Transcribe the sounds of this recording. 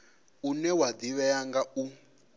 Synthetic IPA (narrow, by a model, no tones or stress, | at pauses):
unɛwad̪iβɛjaŋɡau